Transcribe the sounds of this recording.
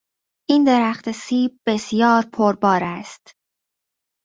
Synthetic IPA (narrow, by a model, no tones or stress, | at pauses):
ʔiːnd̪e̞ɾæxt̪ʰesiːb̚be̞sjɒːɾpʰoɾbɒːɾæst̪